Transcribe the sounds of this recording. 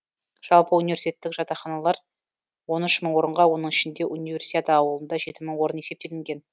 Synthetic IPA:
ʒ̥ɑlˠpəunijversi̥t̪et̪ːɪkʒ̥ɑt̪ɑχɑnɑlˠɑɾ | wo̞nʏʃməɴwo̞ɾəɴʁɑwo̞nəɴɪʃɪnd̪e̞ʔunijvʲe̞rsi̥t̪ʲet̪əɑwəlˠənd̪ɑʒe̞t̪ɪməɴwo̞ɾəne̞se̞p̚t̪e̞lɪŋɡʲe̞n

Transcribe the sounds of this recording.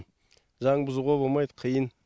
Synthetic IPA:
ʒɑɴbʊzəʁobolˠmɑjd̪əqʰəjən

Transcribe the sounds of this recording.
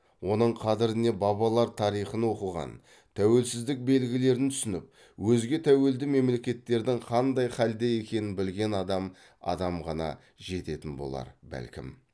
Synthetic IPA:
wo̞nəɴqʰɑd̪ɪɾɪne̞bɑβɑlˠɑɾt̪ʰɑɾijχənwo̞qəlˠʁɑ̰n | t̪ʰæwe̞lsɪzd̪ɪk̚be̞lɡʲɪle̞ɾɪnt̪ʰʏ̥sɪnɪp̚ | wɵzɡʲe̞t̪ʰæwe̞ld̪ɪme̞mle̞kʲe̞t̪ːe̞ɾd̪ɪŋqʰɑnd̪ɑjχɑld̪eje̞kʲe̞nɪnbɪlɡʲe̞nɑd̪ɑm | ɑ̰d̪ɑmʁɑnɑ̰ | ʒe̞t̪e̞t̪ɪnbo̞̰lˠɑ̰ɾbæ̰lkʲɪ̰m

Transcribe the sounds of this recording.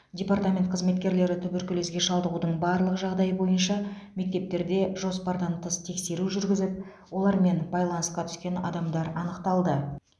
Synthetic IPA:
dʲe̞part̪amʲe̞nt̪̚qʰəzme̞t̪kʲe̞ɾle̞ɾɪt̪ʰʏbʏɾkʲʰʏlezɡʲe̞ʃɑlˠd̪əʁud̪əɴbɑɾlˠəqʒɑʁd̪ɑjəbo̞jənʃɑme̞k̚t̪e̞p̚t̪e̞ɾd̪e̞ʒo̞spɑɾd̪ɑnt̪ʰəst̪ʰe̞kse̞ɾuʒʏɾɡʲɪzɪp̚ | wo̞lˠɑɾme̞nbɑjlˠɑnəsqɑt̪ʰʏ̥skʲe̞nɑ̰d̪ɑmd̪ɑɾɑnəqt̪ɑlˠd̪ə

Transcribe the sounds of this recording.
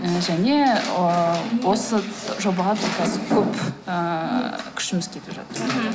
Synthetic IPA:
əʒæne̞ | wo̞səʒobɑʁɑt̪ɪkʲʰɑzɪkʲʰɵpəkʲʰʏ̥ʃɪmɪskʲʰe̞t̪ɪpʒɑ̰t̪əɾ

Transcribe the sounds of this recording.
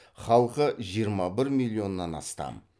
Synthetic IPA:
χɑlˠqəʒijəɾmɑbɪɾmilʲˠːio̞nːɑnɑ̰st̪ɑ̰m

